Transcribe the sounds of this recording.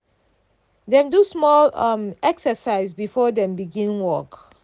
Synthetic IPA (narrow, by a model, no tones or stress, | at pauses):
dɛ̃mdusmɔlʌmɛksəsaɪsbifɔdɛ̃mbiɡĩnwɔk